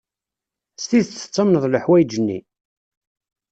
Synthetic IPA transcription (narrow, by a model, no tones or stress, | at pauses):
st̪iðt͡s̪ːə̥t͡sˤːəmnəðˤləħwæjd͡ʒənːḭ